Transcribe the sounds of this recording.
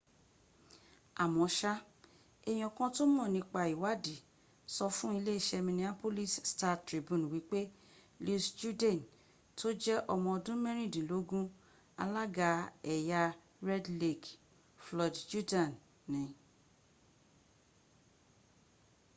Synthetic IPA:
a˨mɔ̃˧˦ʃa˦ | ɛ˧˨j̃ɔ˧˨kã˦to˦m˦ɔ̃˦˨nĩ˧k͡pa˧i˨wa˦di˨ | sɔ˧fũ˦i˧le˦i˦˨ʃɛ˧mĩ˧nĩ˦a˦po˦li˦˨ssta˧tɾi˨˦bũ˦˨n˨wi˨˦k͡pe˦ | lu˦sd͡ʒu˦dɛ̃˨n | tʰo˦d͡ʒɛ˦ʔɔ˧mɔ̃˧ɔ˧dũ˦mɛ̃˦ɾ̃ĩ˦˨dĩ˨lo˨˦ɡũ˦ | a̰˧la˦ɡa˧ɛ˨ja˧ | ɾɛ˦dle˦˨k | flɔ˧dd͡ʒu˦dã˨nː | ĩ˨˦

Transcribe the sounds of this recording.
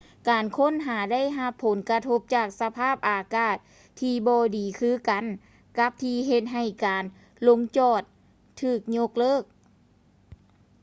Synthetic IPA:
kaː˨nkʰo˥˨nɦaː˩˦da˥˩˨jɦa˧pʰːo˨˦nka˧t̪ʰo˧˥p̚t͡ɕaː˧˨˩k̚sa˧pʰaː˥˩p̚ʔaː˨˩kaː˧˩t̪̚ʰː | iː˧bɔː˧diː˨˩kʰɯː˧˥˨ka˨˩n | ka˧˦˥p̚t̪ʰiː˧ɦe˧t̪̚ɦa˧˩jkaː˨n | lo˧˥ŋt͡ɕɔː˧˩t̪̚ʰː | ɯː˧˩k̚ɲo˧˥k̚lɤː˥˩˨k̚

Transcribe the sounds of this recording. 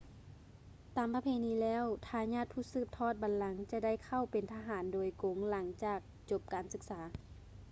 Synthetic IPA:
t̪aː˨˩mpa˧pʰeː˧˩˨niː˧˥lɛː˦˧˥wt̪ʰaː˧˩ɲaː˧˥˨t̪̚pʰuː˧˥˩sɯː˧˥˩p̚t̪ʰɔː˧˥˩t̪̚ba˨nla˨˦ŋt͡ɕa˧da˥˩˨jkʰa˧˩˨wpe˨nt̪ʰaː˧ɦaː˨˩˦ndoː˨˩jko˨˦ŋla˩˦ŋt͡ɕaː˧˩k̚t͡ɕo˧˩p̚kaː˨˩nsɯ˧k̚saː˩˨˦

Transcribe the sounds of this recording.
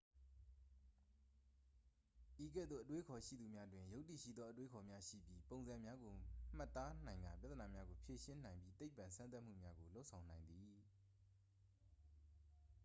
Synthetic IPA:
ʔi˨kɛ̰˦˨d̪ðo̰˦˨ʔətwe˦kʰɔ˨ʃḭ˦˨d̪u˨mja˦dwɪ̃˨jo˦ʊtːi˦˨ʃḭ˦˨d̪ðɔ˦ʔətwe˦kʰɔ˨mja˦ʃḭ˦˨bji˦põ˨ʊ̃nzã˨mja˦ɡo˨m̥ə˦t̪a˦n̥ã˨ɪ̃ŋɡa̰˦˨pja˦t̪ːəna˨mja˦ɡo˨pʰje˨ʃɪ̃˦n̥ã˨ɪ̃mbji˦t̪e˦ɪpːã˨nsʰã˦nt̪a˦m̥ṵ˦˨mja˦ɡo˨lo˦ʊʔsʰã˨ʊ̃nã˨ɪ̃nd̪ði˨

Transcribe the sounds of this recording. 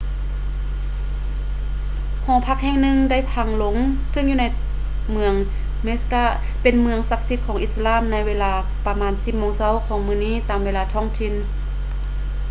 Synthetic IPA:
hɔː˨˦pʰa˧˥k̚hɛː˧˨ŋnɯ˧ŋda˥˩jpʰa˧˩ŋlo˧˦ŋsɯ˥˨ŋjuː˧na˧j | mɯ˧əŋ | me˦˥skaː˧˩ | pe˨nmɯ˧əŋsa˧k̚si˧˥t̪̚kʰɔː˨˩˦ʔi˧t̪sa˧laː˧˥˨mna˧˥jʋeː˧laː˧˩ | pa˧maː˧˥nsi˧˩p̚mɔː˧ŋsa˧˥˨wkʰɔː˨˦ŋmɯː˧˩˨niː˥˨t̪aː˨mweː˧laː˧t̪ʰɔː˧˥˩ŋt̪ʰi˧˩n

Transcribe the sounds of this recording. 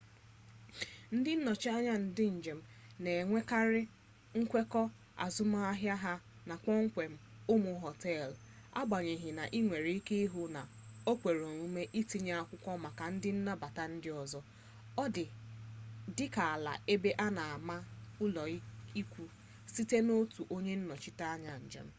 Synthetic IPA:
n̩˦dɪ˦n̩˦nɔ˨t͡ʃi˦a˦ɲa˦n̩˨dɪ˦n̩˨d͡ʒe˨m̩˨ne˨ŋʷe˦ka˦ɾɪ˦ | ŋ̩˦kʷe˦kɔ˦ | a̰˨zʊ˦ma˦a˦ɦja˦ɦa˦ | na˨kɔ˦ŋ̩˦kʷe˨m̩˦ʊ˦mʊ˨ɦɔ˨tɛ˦˨l | a̰˦ɡ͡ba˨ɲe˨ɦɪ˨na˨ʔi˦ŋʷe˨ɾe˨˦i˦ke˦i˦ɦʊ˦na˨ | o˦kʷe˨ɾo˨nu˦me˦ʔi˦ti˦ɲe˦˨a˨kʷʊ˦kʷɔ˦ma˨ka˨n̩˦dɪ˦n̩˦na˦ba˨ta˦n̩˦dɪ˦ɔ˨zɔ˦ | ɔ˦dɪ˨ | dɪ˦ka˨a˨la̰˨ʔe˦be˦ʔa˦na˨a˨ma˦ʊ˦lɔ˨˦i˦kʷu˦ | si˦te˦no˦tu˨ʔo˦ɲe˦n̩˦nɔ˨t͡ʃɪ˦ta˦a˦ɲa˨n̩˨d͡ʒḛ˨m̩˦

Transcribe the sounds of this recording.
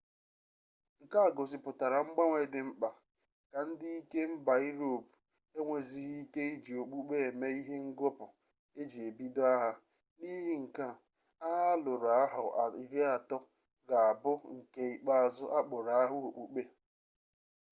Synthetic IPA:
ŋ̩˨ka˦˨ɡo˨sɪ˨pʊ˨ta˨ɾa˨ŋ͡m̩˦ɡ͡ba˦ŋʷe˨dɪ˨m̩˦k͡pa˨ | ka˨n̩˦dɪ˦i˦ke˦m̩˦ba˨i˦ɾo˨bu̥˨ | e˦ŋʷe˨zi˦i˦ke˦i˦d͡ʒi˨o˨k͡pu˦k͡pe˦e˨me˦i˦ɦe˦ŋ̩˦ɡo˦pʊ˨ | e˦d͡ʒi˨e˨bi˦dʊ˦a˦ɦa˦ | ni˦ɦi˦ŋ̩˨ka˦ | a˦ɦa˦lʊ˨ɾa˦ɦʊ˨i˨ɾe˦a˨tɔ˦ | ɡa˨a˨bʊ˦ŋ̩˨ke˦i˨k͡pa˦a˨zʊ˦ʔa˦k͡pʊ˨ɾa˨a˦ɦʊ˦o˨k͡pu˨k͡pe˦

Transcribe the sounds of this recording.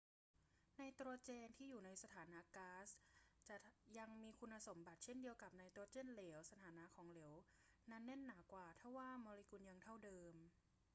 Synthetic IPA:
na˧jt̪ɾu˧t͡ɕeː˧nt̪ʰiː˥˩juː˨˩na˧jsa˧t̪ʰaː˩˦naː˧˥kaː˦˥st͡ɕa˨˩ja˧ŋmiː˧kʰu˧nʔːa˧so˩˦mba˨˩t̪̚t͡ɕʰe˥˩ndi˧əwka˨˩p̚na˧jt̪ɾu˧ət͡ɕe˥˩˨nleː˩˦wsa˧t̪ʰaː˩˦naː˧˥kʰɔː˩˦ŋle˩˦wna˦˥nːe˥˩nːaː˩˦kwaː˨˩t̪ʰa˥˩waː˥˩mɔː˧li˧˥ku˧nja˧ŋt̪ʰa˥˩wdɤː˧m

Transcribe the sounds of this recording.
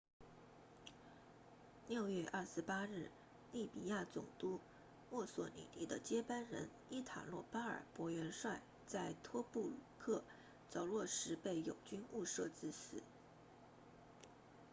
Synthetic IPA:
ljo˥˧ʊjɥɛ˥˧ʔɐ˞˥˩ʂɻ̩˧˥˧pa˥ɻɻ̩˥˩ | li˥˩pi˨˩ja˥˩t͡sʊ˨˩ŋt̪u˥ | mwɔ˥˩swɔ̰˧˩nḭ˨˩t̪i˧˥d̪ə˧t͡ɕjɛ˥pa˥nɻə̰˧˥n | i˥˩t̪ʰa̰˨˩lwɔ˥˩pa˥ə̰˞˨˩pwɔ˧˥ɥɛ˧˥nʂwa˥˩ɪ | t͡sa˥˩ɪt̪ʰwɔ˥pu˥˩lu˨˩kʰɤ˥˩ | t͡sɑ˧˥˩ʊlwɔ˥˩ʂɻ̩˧˥pe˥˩ɪjo˨˩ʊt͡ɕy˥nu˥˧ʂɤ˥˧t͡sɹ̩˥˩sɹ̩˨˩˦

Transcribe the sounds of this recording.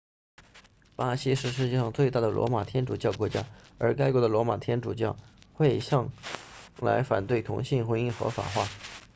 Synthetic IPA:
pa˥ɕi˥ʂɻ̩˥˧ʂ̬ɻ̩˥˧t͡ɕjɛ˥˧ʂɑ˥˧ŋt͡swe˥˧ɪt̪a˥˩d̪ə˩lwɔ̰˧˥ma˨˩t̪ʰjɛ˥nʈ͡ʂu˨˩t͡ɕjɑ˥˩ʊkwɔ˧˥t͡ɕja̰˥ə˞˧˥ka˥ɪkwɔ˧˥d̪ə˨lwɔ˧˥ma̰˨˩t̪ʰjɛ˥nʈ͡ʂu˨˩t͡ɕjɑ˥˩ʊxwe˥˧ɪɕjɑ˥˩ŋ | la̰˧˥ɪfa˨˩nt̪we˥˩ɪt̪ʰʊ̰˧˥ŋɕi˥˩ŋxwə˧˥i˥˩˧xɤ̰˧˥fa̰˨˩xwa˥˩

